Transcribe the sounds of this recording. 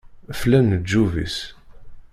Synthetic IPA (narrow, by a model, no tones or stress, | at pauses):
flænəd͡ʒːuvḭs